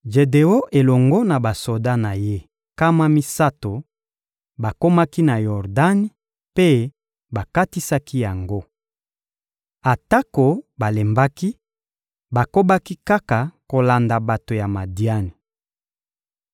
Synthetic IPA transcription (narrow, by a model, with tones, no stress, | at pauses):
d͡ʒe˨de˨o˦ʔe˨lɔ˨ŋɡɔ˦na˨ba˨so˨da˦na˨je˦ | ka˦ma˦mi˦sa˦to˨ | ba˨ko˦ma˦ki˦na˨jɔ˨ʁda˦n˨ | pe˦ | ba˨ka˦ti˦sa˦ki˦ja˨ŋɡo˦ | a˨ta˦ko˨ba˨le˨mba˦ki˦ | ba˨ko˦ba˦ki˦ka˦ka˨ko˨la˨nda˨ba˨to˨ja˨ma˨di˨a˦ni˨